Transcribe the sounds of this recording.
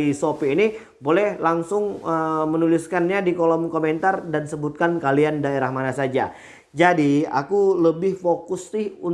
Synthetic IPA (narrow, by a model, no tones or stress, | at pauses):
isopiːni | bolɛhlaŋsʊŋəmənulɪskanɲadikolɔmkoment̪ardansəbut̪̚kankaliandaeɾahmanasad͡ʒa | d͡ʒadia̰kuləbɪhfokʊsːɪhun